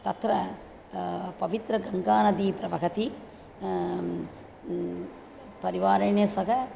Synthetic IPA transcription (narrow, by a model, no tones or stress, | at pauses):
t̪ɐt̪ɾɐ | pɐʋit̪ɾɐɡɐŋɡaːnɐd̪iːpɾɐʋɐkɐt̪i | pɐɾiʋaːɾɐɳjɐsɐkɐ